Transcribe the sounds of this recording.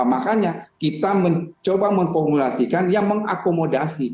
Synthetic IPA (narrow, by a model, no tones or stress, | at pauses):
makaɲakit̪aməɲt͡ʃobaməŋfɔrmulasikanjaŋməŋa̰komodasi